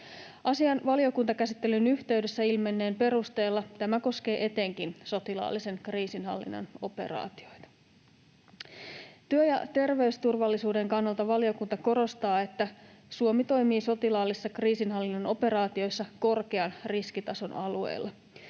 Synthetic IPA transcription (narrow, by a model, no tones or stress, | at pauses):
ʔɑsiɑnʋɑlio̞kunt̪ɑkæsit̪ːelynyht̪e̞yɥdesːæilme̞nːe̞ːmpe̞ɾust̪e̞ːlːɑt̪æmæko̞sk̟e̞ːʔe̞t̪e̞ŋkinso̞t̪ilɑ̰ːlːise̞ŋkriːsinɦɑ̰lːḭnːɑ̰no̞pe̞̰rɑ̰ːt̪io̞jt̪ɑ̥ | t̪yøjɑ̰t̪e̞rʋe̞yst̪urʋɑlːisuːde̞ŋkɑnːɑlt̪ɑʋɑlio̞kunt̪ɑko̞ɾo̞st̪ɑːe̞t̪ːæsuomit̪o̞jmiːso̞t̪ilɑːlːisːɑkriːsinɦɑlːinːɑno̞pe̞ɾɑːt̪io̞jsːɑko̞rke̞ɑnriskit̪ɑso̞nɑluḛjlːɑ